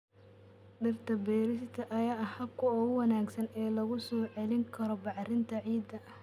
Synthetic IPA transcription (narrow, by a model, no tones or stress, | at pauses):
ɖɪrt̪ʰɐbɛːɾɪst̪ʰɐʔɐjaːɐhɐb̚kʰʊɔːʊwɐnaːɡsɐnɛːlɐɣʊsɔːʕɛlɪŋkʰɐɾɔbɑʕrɪnt̪ʰɐʕiːd̪ːɐ